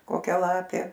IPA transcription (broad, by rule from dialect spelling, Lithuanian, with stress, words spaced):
koːˈkʲɛ ˈlˠɑːpʲeː